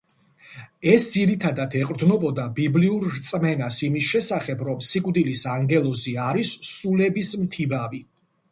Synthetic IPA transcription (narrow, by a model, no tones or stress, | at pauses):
ɛsd̪ziɾit̪ʰad̪at̪ʰɛqʼɾd̪nɔbɔd̪abibliuɾɾt̪sʼmɛnasimisʃɛsaχɛbɾɔmsikʼvd̪ilisaŋɡɛlˠɔziaɾisːulɛbismt̪ʰibavi